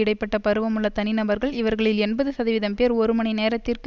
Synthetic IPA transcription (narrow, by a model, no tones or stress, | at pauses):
ɪɽɐɪpːɐʈːɐpɐɾɯʋɐmɯɭːɐt̪ɐnɪnɐbɐɾɣɐɭɪʋɐɾɣɐɭɪlɛnbɐðɯsɐðɐʋɪðɐmpeːɾɔɾɯmɐɳɪneːɾɐt̪ːɪrk